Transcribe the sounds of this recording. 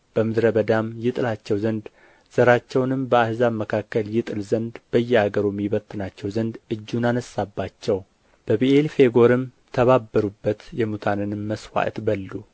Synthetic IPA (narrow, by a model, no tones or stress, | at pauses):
b̥əmɨd̪ɾəbəd̪amjɪt̪ʼɨlat͡ʃːɛwzənd̪ | z̥əɾat͡ʃːɛwnɨmbəahzaβməkʰakːəljɪt̪ʼɨlzənd̪b̥əjːɛhaɡəɾomːiβət̪ʰʼːɨnat͡ʃːɛwzənd̪ɨd͡ʒːunanəsːabːat͡ʃːɛw | b̥əβiʔelfe̞ɡo̞ɾɨm | t̪ʰəβabːəɾubːət̪jɛmut̪ʰanɨnmːəswa̰ʔt̪bəlːu